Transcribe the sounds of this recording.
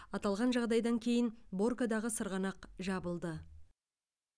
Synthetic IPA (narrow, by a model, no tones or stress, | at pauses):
ɑt̪ɑlˠʁɑnʒɑʁd̪ɑjd̪ɑŋkʲʰe̞jɪnbo̞rkad̪ɑʁəsəɾʁɑnɑqʒɑbəlˠd̪ə